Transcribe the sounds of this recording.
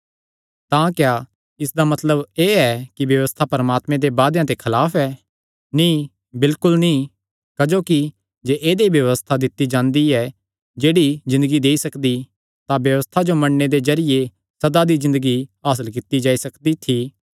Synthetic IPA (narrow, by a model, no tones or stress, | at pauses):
t̪ãkja | ɪsd̪amɐt̪ləbeːɛkibjɐʋəst̪ʰapɐɾəmaːt̪mẽd̪ebaːd̪jãt̪ekʰɐlaːfʰɛ | nĩː | bɪlkʊlnĩː | kəd͡ʒoːki | d͡ʒeːʔeːd̪ebjɐʋəst̪ʰad̪ɪt̪ːid͡ʒãːnd̪iɛ | d͡ʒeːɽizɪ̃nd̪əɡid̪eːisɐkd̪i | t̪ãbjɐʋəst̪ʰad͡ʒomɐɳned̪ezɐɾɪje | sɐd̪ad̪izɪ̃nd̪əɡiaːs̬əlk̬ɪt̪ːid͡ʒaːisɐkd̪it̪ʰiː